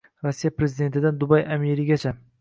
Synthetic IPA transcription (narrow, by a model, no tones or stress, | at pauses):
ɾosːijapɾe̞zɪd̪e̞nt̪ʰɪd̪and̪ʊbajameɾɪɡʲat͡ʃʰa